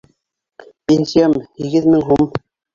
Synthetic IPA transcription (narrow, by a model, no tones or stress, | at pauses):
pʲenʲsʲijamhiɡɘðmɘŋɦum